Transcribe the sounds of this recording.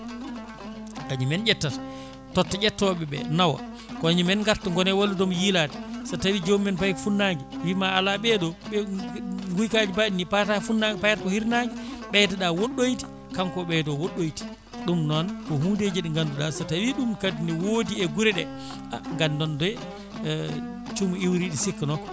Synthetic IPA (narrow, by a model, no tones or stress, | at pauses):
kaɲumɛnd͡ʒɛtːat | tɔtːaɟɛtːɔɓɛbɛ̰nawa̰ | kɔaɲumɛnŋɡaɾtɔŋɡɔnɛwolːutɔmjilatɛ̥satawid͡ʒomːɛnpajkfunːaŋɡiwimaːlaɓɛɗɔɓɛŋɡujkad͡ʒipadinipatafunːaŋɡɛpajaɾkɔhiɾnaŋɡiɓɛtaɗawoɗːojti̥ | kamkɔɓɛdɔwoɗːojti̥ | ɗumnɔnkɔhuːnded͡ʒeɗiŋɡanduɗasatawiɗumkadiniwoːdiɛɡuɾɛɗɛ̰ | a̰ŋɡandɔndɛ | t͡ʃumuiwɾiɗisikːnɔk